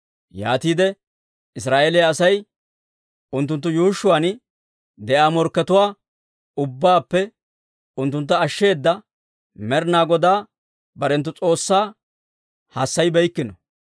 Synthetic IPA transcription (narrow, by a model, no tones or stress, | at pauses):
jaːt̪iːd̪ɛ | ɪs̬ɾaːʔeːlɛjaːsɐj | ʊnt̪ːʊnt̪̬ːʊjuːʃʊwaːn | d̪ɛʔaːmɔɾkːɛt̪ʊwaː | ʊbːaːpːɛ | ʊnt̪ːʊnt̪ːɐːʃːe̞ːd̪ːɐ | mɛɾnaːɡɔd̪aː | bɐɾɛnt̪ːʊt͡sʼo̞ːsːaː | hasːɐjbɛjkːɪnɔ